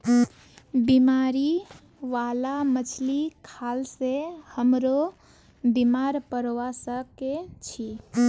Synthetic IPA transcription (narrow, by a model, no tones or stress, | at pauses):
bimaɾi | ʋalamət͡ʃʰlikʰalsehəmɾo | bimaɾpəɾʋasəkːet͡ʃʰi